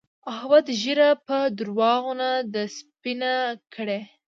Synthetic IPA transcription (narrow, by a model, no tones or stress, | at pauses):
ahwad̪ʒiɾapəd̪ɾwɑɣonad̪əspinakʰəɽe